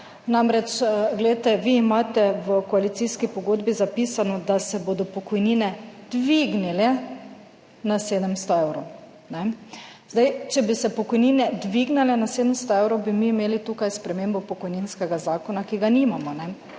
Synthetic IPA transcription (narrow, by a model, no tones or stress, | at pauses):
namɾɛt͡ʃɡlɛjt̪ɛʋiːmaːt̪ɛʋəkɔalit̪siskipɔɡod̪bizapisanɔd̪asɛbod̪ɔpɔkɔjniːnɛd̪̥ʋiɡnilɛ | naseːd̪əmst̪ɔeːwɾɔ | nɛzd̪ajt͡ʃɛbisɛpɔkɔjniːnɛd̪ʋiɡnalɛnaseːd̪əmst̪ɔewɾɔwbimiːmeːlit̪uːkajspɾɛmeːmbɔpɔkɔjninskɛɡazaːkɔnakiɡanimamɔnɛ